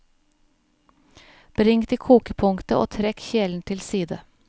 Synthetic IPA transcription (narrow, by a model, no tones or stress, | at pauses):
b̥ɾɪŋt̪iːkʰuːkəpʰʊŋkt̪əʔo̰ːt̪ʰɾɛkçeːln̩t̪ʰɪlsiːd̪ə